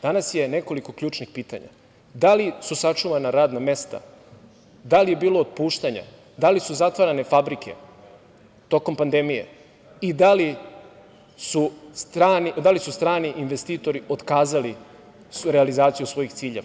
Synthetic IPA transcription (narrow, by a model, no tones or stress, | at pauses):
d̪anasje̞ne̞ko̞liko̞klʎuːt͡ʂnixpiːt̪a̰ɲa̰ | d̪alisusat͡ʂuʋanaɾaːd̪name̞st̪a̰ | d̪alije̞biːloːd̪̚puːʃt̪aɲa̰ | d̪alisuzat̪ʋaɾane̞fabɾikʰe̞̰ | t̪o̞ko̞mpand̪e̞mijḛ | id̪ali | sustɾanid̪alisust̪ɾaːniʔinʋest̪iːt̪o̞ɾiʔo̞d̪kaːzali | ɾealizaːt̪sijusʋo̞ixt̪siːʎeʋa